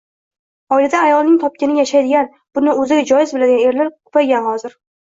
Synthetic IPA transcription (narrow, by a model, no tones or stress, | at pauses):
ɒɪlad̪aːjɒlˠnɪŋt̪ʰɒp̚kʲɪnɪjaʃajd̪ɪɡʲan | b̥ʊnɪɵzɪɡʲad͡ʒɒjɪzbɪlad̪ɪɡʲane̞ɾlaɾqʰʊ̥pʰajɡʲanhɒzɪɾ